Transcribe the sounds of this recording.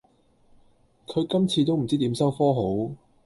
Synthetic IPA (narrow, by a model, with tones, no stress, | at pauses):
kʰɵ˨˧ɥkɐ˥mt͡sʰiː˧t̪o˥wm̩˨˩t͡siː˥t̪i˨˥msɐ˥wfɔː˥ɦo˨˥w